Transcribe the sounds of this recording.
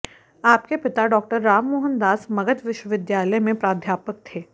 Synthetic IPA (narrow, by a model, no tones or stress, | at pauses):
aːpkepɪt̪aɖɔːk̚ʈəɾːaːmːoːɦə̃nd̪aːsmɐɡət̪ʋɪʃwəʋɪd̪jaːləjmẽpɾaːd̪ʱjaːpək̚t̪ʰeː